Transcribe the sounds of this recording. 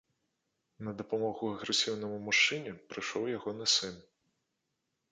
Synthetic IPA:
nɐd̪ɐpamɔɣuɐɣɾɛsʲiwnɐmumuʂt͡ʂɨnʲɛpɾɨʂɔwjaɣɔnɨsɨn

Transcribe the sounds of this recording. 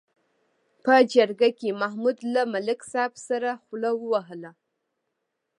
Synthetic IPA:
pəd͡ʒaɾɡakemaɦmud̪lamalɪksɑbsaɾaχlawəwaɦəla

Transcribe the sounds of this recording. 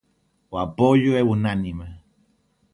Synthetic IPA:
wapojuewunanima

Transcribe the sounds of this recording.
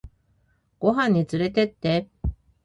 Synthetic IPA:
ɡ̥o̞ɦãɲ̟ːit͡sɨɾe̞t̪e̞t̪ːe̞

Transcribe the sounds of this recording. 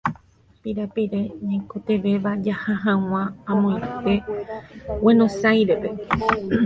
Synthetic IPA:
piɾapiɾe̞ɲãjkot̪e̞ʋe̞ʋad͡ʒahaɦãw̃ãːmõj̃t̪e̞ | wẽnõsajɾepe̞

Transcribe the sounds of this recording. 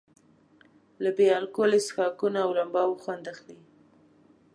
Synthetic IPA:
labejɑlkolesxɑkunaːwlambɑwxwand̪axli

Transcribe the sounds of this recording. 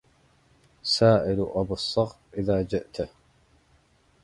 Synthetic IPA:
saːʔɪlʔabɑsˤːɑɣ | ʔɪðaːd͡ʒɪʔt̪a

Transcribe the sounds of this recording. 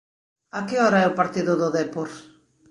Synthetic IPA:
akɪɔɾaɛʊpaɾt̪iðʊðoðepoɾ

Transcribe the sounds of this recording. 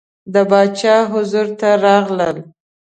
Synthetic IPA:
d̪əbɑt͡ʃɑɦʊzuɾt̪aɾɑɣləl

